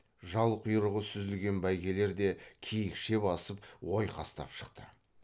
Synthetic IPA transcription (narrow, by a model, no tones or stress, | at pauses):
ʒɑlˠqʰʊjɾəʁəsʏzɪlɡʲe̞nbæjɡʲe̞le̞ɾd̪e̞kʲʰijɪkʃe̞bɑsəp̚wo̞jqʰɑst̪ɑ̰pʃə̥qt̪ʰə̰